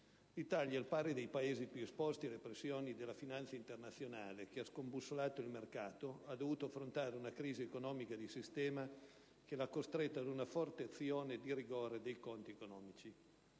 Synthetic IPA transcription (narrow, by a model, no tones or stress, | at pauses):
lit̪aljalpaːɾed̪ejpaeːzipjuespɔst̪ialepɾesːjoːnid̪elːafinant̪saint̪ernat̪sːjonaːlek̟easkombusːolaːt̪oilmerkaːt̪oad̪ːovuːt̪oafɾont̪aːɾeunakɾiːziekonɔːmikad̪isist̪ɛːma | kelakːost̪ɾet̪ːad̪unafɔrt̪eat̪sːjoːned̪iriɡoːɾed̪ejkont̪iekonɔːmit͡ʃi